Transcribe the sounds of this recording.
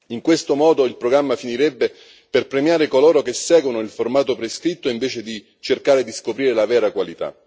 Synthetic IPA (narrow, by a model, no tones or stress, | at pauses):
iŋkwest̪omɔːd̪oilpɾoɡɾamːafiniɾɛbːe | perpɾemjaːɾekolɔːɾokesːɛːɡwonoilformaːt̪opɾeskɾit̪ːoiɱveːt͡ʃed̪i | t͡ʃerkaːɾed̪iskopɾiːɾelavɛːɾakwalit̪a̰